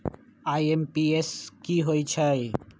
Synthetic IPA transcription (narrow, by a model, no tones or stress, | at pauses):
aːiempieskiːɦoːit͡ʃʰəj